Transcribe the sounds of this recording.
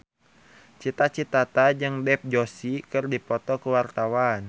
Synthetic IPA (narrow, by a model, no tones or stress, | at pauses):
t͡ʃit̪at͡ʃit̪at̪ad͡ʒɨŋdɛp̚d͡ʒosikɨrdipɔt̪ɔkəwart̪awan